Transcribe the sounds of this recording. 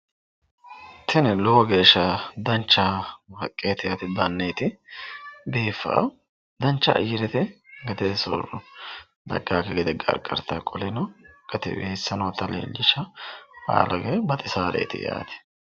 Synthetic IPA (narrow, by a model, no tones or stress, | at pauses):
t̪ʰɛnlɔwɡe̞ːʃːɐd̪ɐnt͡ʃːɐhɐkʼːeːt̪ɪjat̪ɪd̪ɐnːejt̪ɪ | b̪eːfːa̰ː | d̪ɐnt͡ʃːɐ̰ʔɐ̰jɪɾɛt̪ɛɡɐt̪ɛsɔɾɔ | d̪ɐ̰ɡːaːkɛɡɛd̪ɛɡɐɐ̰ɾɡɐ̰ɾt̪ːakʼɔlɛnɔɡ̥ɐt̪ɛ̰beːsːɐnot̪ːɐlḛːld͡ʒɪʃɐha̰ːlɐɡeːbɐt̪ʼɪsaːɾḛːt̪ɪ̰ja̰ːt̪ɪ̥